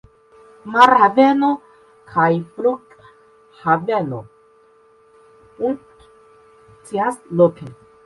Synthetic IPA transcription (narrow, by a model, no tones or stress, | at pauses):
maɾhaveno | kʰajfluk | haveno | un | t͡siasloke